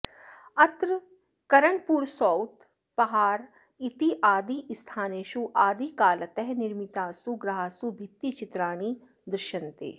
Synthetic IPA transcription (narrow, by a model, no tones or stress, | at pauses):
ɐt̪ɾ | kɐɾəɳpuːɾsɔːwt̪ | pɐɦaːɾ | it̪iʔaːd̪ist̪ʰaːneːʃuʔaːd̪ikaːlət̪ɛɦnɪɾmɪt̪aːsuɡɾɐɦaːsubʱɪt̪ːit͡ʃɪt̪ɾaːñi | d̪ɾʃənt̪ḛː